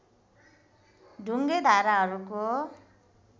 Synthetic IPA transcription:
ɖʱuŋɡed̪ʱaɾaɦʌɾuko

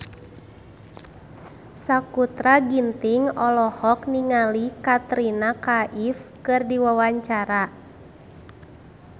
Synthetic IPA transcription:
sakut̪ɾaɡint̪iŋɔlɔhɔkniŋalikat̪ɾinakaʔifkɨrdiwawaɲt͡ʃaɾa

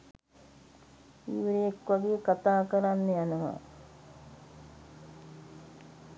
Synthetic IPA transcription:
iʋɾejekʋaɡeːkat̪aːkəɾanːəjanəʋa̰

